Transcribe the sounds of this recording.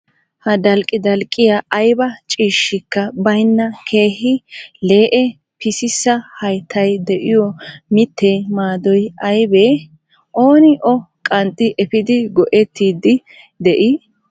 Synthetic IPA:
hɐd̪ɐlkʼːɪd̪ɐlkʼːɪjɐʔːjbɐt͡ʃʼiːʃːɪkːɐbɐjnːɐkʰe̞ːhɪle̞ːʔɛ | pɪsɪsːɐhɐjt̪ʰːɐjd̪ɛʔɪjɔmɪt̪ːɛmaːd̪ɔjɐjbe | ʔoːnɪʔɔkʼɐnt̪ʼːɪʔɛfɪd̪ɪɡɔʔɛt̪ːiːd̪ɪ | d̪ɛʔɪ

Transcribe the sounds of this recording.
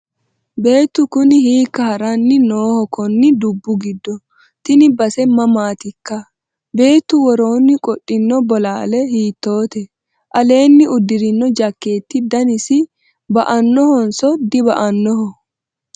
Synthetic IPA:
be̞ːt̪ːʊkʊnɪhiːkːɐhɐɾɐnːɪnoːhɔkɔnːɪd̪ʊbːʊɡɪd̪ːɔ | t̪ɪnɪbɐsɛmɐmaːt̪ɪkːɐ | be̞ːt̪ːʊwɔɾo̞ːnːɪkʼɔʔʼːɪnːɔbɔlaːlɛhiːt̪ːo̞ːt̪ɛ | ʔɐle̞ːnːɪʊd̪ːɪɾɪnːɔd͡ʒɐkːe̞ːt̪ːɪd̪ɐnɪsɪ | bɐʔɐnːɔhɔnsɔd̪ɪbɐʔɐnːɔhɔ

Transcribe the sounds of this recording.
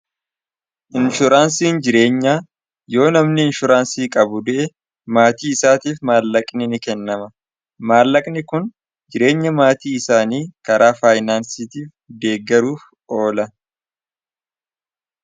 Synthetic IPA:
ʔɪnʃʊɾaːnsiːnd͡ʒɪɾe̞ːɲːaː | jo̞ːnɐmnɪɪnʃʊɾaːnsiːkʼɐbʊd̪ʊʔɛ | maːt̪iːɪsaːt̪iːfmaːlːɐkʼnɪnɪkɛnːɐmɐ | maːlːɐkʼnɪkʊn | d͡ʒɪɾe̞ːɲːɐmaːt̪iːɪsaːniːkɐɾʔaːfaːjnaːnsiːt̪iːf | d̪e̞ːɡːɐɾuːf | o̞ːlɐ

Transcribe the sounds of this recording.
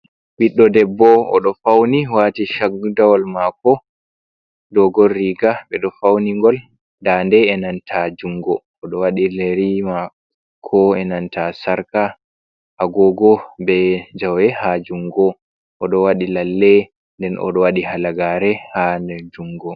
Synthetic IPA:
wiɗːɔdɛbːɔɔ̰ɗɔfawniwatiʃaɡdawɔlmakɔ | dɔɡɔrːiɡaɓɛɗɔfawniŋɡɔl | dandɛɛnantʰad͡ʒuŋɡɔːɗɔwaɗileɾima | kʰɔɛnantasaɾka | ʔaɡɔɡɔbɛd͡ʒawɛhad͡ʒuŋɡɔ | ʔɔɗɔwaɗilalːɛ | ndɛnʔɔ̰ɗɔwaɗihalaɡaɾɛhandɛd͡ʒuŋɡɔ

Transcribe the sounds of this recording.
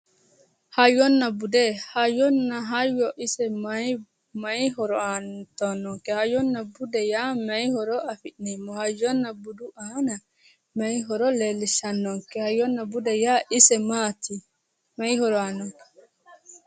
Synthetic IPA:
hajɔnːabudɛhajɔnːaɦajɔʔisɛm | majɦɔɾɔantɔnɔŋkɛhajɔnːabudɛjamajhɔɾɔʔafinimɔhajɔnːabuduʔana | majɦɔɾɔleliʃanːɔŋkɛhajɔnːabudɛjaʔisɛmat̪ʰi | majhɔɾɔanɔŋkɛ̥

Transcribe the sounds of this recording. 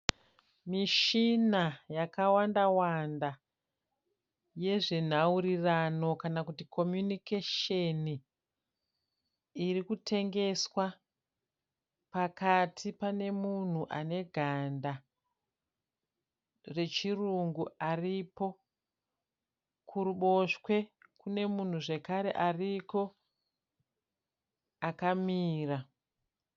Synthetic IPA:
miʃinajakawandawanda | je̞ʐin̤auɾirano̞kanakutikʰo̞mjunikeʃeni | ɾikutʰe̞ŋɡe̞swa | pakatʰipane̞mun̤uʔane̞ɡʱanda | re̞t͡ʃiruŋɡuaripo̞ | kʰuɾuɓo̞ʃwe̞kune̞mun̤uʐe̞kaɾe̞̰ʔariko̞ | akamiːra

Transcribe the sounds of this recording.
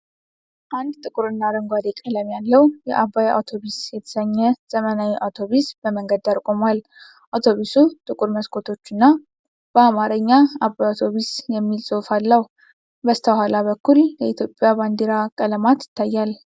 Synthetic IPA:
ʔand̪t̪ʼɨkʼuɾɨnːaɾəŋɡʷad̪ekʼələmjalːəwjɛ̰ʔabːaja̰wt̪ʰo̞βisjɛt̪ʰə̥səɲːɛz̥əmənajiʔawt̪ʰo̞βisbəməŋɡəd̪aɾkʼo̞mal | ʔawt̪ʰo̞βisut̪ʼɨkʼuɾməskʰo̞t̪ʰo̞t͡ʃːɨnːa | b̥əamaɾəɲːaabːajawt̪ʰo̞βisjɛmːilsʼofalːəh | bəst̪ʰəhalaβəkːuljɛit̪ʰjopʼjaβand̪eɾakʼələmat̪jɪ̥t̪ːajːal

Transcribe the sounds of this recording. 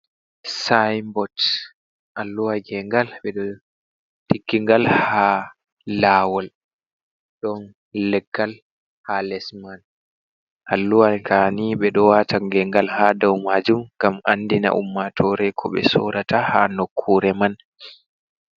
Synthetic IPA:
sajmbɔt | ʔalːuwaɡɛŋɡalɓɛɗɔ | tiɡːiŋɡalha | lawɔl | ɗɔn | lːɛɡːal | halɛsman | ʔalːuwalkʰaniɓɛɗɔwatʰaŋɡɛŋɡalhadawmad͡ʒumŋɡamandina̰ʔumːatʰɔɾɛkʰɔɓɛ̰sɔ̰ɾataha̰nokʰːuɾɛman

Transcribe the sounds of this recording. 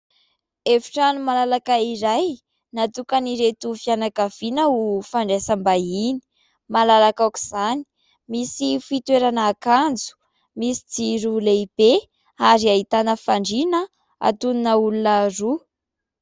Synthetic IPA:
efi̥ʈ͡ʂanumalalakaiɾaj | nat̪ukaniɾet̪ufianakavinəufaɳɖ͡ʐesambaini̥ | malalakaki̥z̥ani̥ | misifit̪weɾanaːkand͡zu̥ | misi̥d͡ziɾuleib̥e | aɾiaɦit̪anəfaɳɖ͡ʐinə | a̰t̪uninəulunəru

